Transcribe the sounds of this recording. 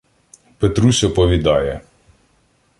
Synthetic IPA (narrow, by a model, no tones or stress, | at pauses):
pet̪ɾusʲɔpɔʋʲid̪ɑjɛ